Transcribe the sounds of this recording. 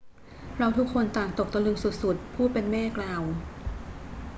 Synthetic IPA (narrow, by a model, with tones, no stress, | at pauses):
ɾa˧wt̪ʰu˦˥kʰːo˧nt̪aː˨˩ŋt̪o˨˩k̚t̪a˧lɯ˧ŋsu˨˩t̪̚su˨˩t̪̚pʰuː˥˩pe˧nmɛː˥˩klaː˧w